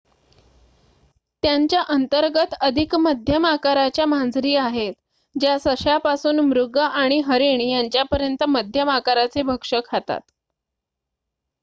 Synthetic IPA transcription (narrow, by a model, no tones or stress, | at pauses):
t̪jaɲt͡ɕjaʔənt̪əɾɡət̪əd̪ʱikməd̪ʱjəmakaɾat͡ɕjamand͡zɾiːaɦet̪ | d͡ʑjasəʂjapasuːnmɾuɡaʔaɽ̃iɦəɾeɽ̃iːjaɲt͡ɕjapəɾjənt̪əməd̪ʱjəmakaɾat͡sebʱəkʂəkʰat̪a̰t̪